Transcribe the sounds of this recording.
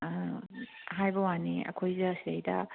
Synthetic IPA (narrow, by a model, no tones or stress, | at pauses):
ɦajbɐwaniɐ̰kʰojzɐsiɐjdɐ̰